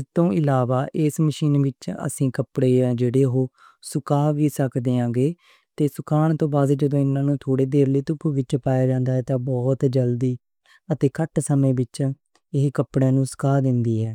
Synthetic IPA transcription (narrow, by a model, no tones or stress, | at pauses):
ɪst̪õːɪlaːʋaːʔɪsməʃiːnʋɪt͡ʃə̰sĩːkəpɽeːd͡ʒeːɽeːɦoː | sʊkaːʋiːsəkd̪eːãːɡeː | t̪eːsʊkaːɳt̪õːbaːd̪d͡ʒəd̪õːɪnãːnũːt̪ʰoːɽeːd̪eːɾləiːt̪ʊpʰːuːʋɪt͡ʃpaːjaːd͡ʒãːnd̪aːɦɛːt̪ãːbɔːt̪d͡ʒəld̪iː | ət̪eːkəʈsəmẽːbɪt͡ʃ | ɪɦkəpɽeːnũːsʊ̥kaːd̪ɪnd̪iːɦɛː